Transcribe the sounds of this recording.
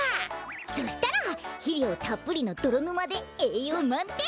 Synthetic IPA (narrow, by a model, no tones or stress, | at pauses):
aso̞ɕi̥t̪aɾaçiɾʲjoːt̪apːɯɾʲino̞d̪̥o̞ɾonɯmad̪e̞eːjomãnt̪e